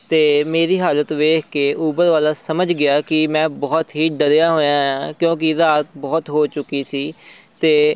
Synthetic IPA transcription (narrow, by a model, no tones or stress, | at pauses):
t̪eːmeːɾiːɦaːlət̪ʋeːkʰkeːʔuːbəɾʋaːlaːsəməd͡ʒɡɪaːkɪmɛ̃ːbɔːt̪ɦiːɖəɾejaːɦoːjãːãːkjõːk̬ɪzaːɾət̪bɔːt̪ɦoːt͡ʃʊkːiːsiː | t̪eː